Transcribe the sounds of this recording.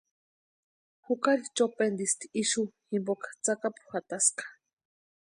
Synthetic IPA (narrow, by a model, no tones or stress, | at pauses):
hukaɾit͡ʃopend̪ist̪i̥iʃuhimbokḁt͡sakapu̥xat̪askḁ